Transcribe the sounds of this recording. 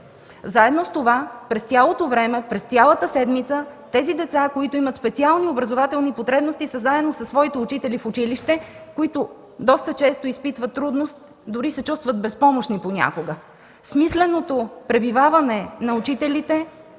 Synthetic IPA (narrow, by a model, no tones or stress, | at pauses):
zaɛd̪nost̪ovapɾɛst̪sʲjalˠot̪ovɾɛmɛpɾɛst̪ʲjalˠət̪əsɛd̪mit̪sət̪ɛzid̪ɛt̪sakoit̪ʊimət̪spɛt̪sialˠniobɾɐzovat̪ɛlˠnipot̪ɾɛbnost̪isəzaɛd̪nosɐsvɔit̪ɛʊt͡ʃit̪ɛlifʊt͡ʃiliʃt̪ɛkoit̪ʊ | d̪ɔst̪ət͡ʃɛst̪oispit̪vət̪ːɾud̪nost̪ | d̪ʊɾisɛt͡ʃust̪vət̪̚bɛspɔmoʃniponʲa̰koɡə | smislɛnot̪opɾɛbivavɐnɛnɐʊt͡ʃit̪ɛlit̪ɛ